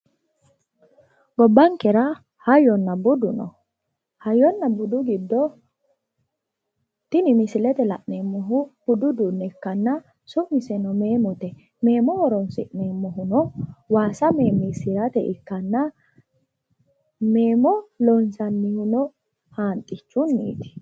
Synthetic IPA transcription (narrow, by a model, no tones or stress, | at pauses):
ɡɔbːaŋkɛɾa | hajɔnːabʊd̪ʊnɔ̰ | hɐjɔnːɐbʊd̪ʊɡɪd̪ːɔ | t̪ɪnimɪsɪlɛt̪ɛla̰ʔnemːɔɦʊb̥ʊd̪ʊd̪unːɛkːɐnːa | sʊʔmɪsɛnɔmeːmɔt̪ɛ | me̞ːmɔwɔɾɔnsɪ̰ʔneːmːɔɦʊnɔwaːsɐme̞ːmːisɪɾɐt̪ɛʔɪkːɐnːɐ | me̞ːmɔlɔnsɐnːɪhʊnɔ | haːnt̪ʼːɪt͡ʃːʊnːḭːt̪ɪ̥